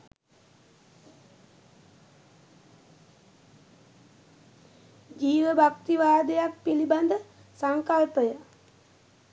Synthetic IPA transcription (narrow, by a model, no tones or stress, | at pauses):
d͡ʒiːʋəbʱak̚t̪iʋaːd̪əjak̚piliband̪ə | saŋkalpəjə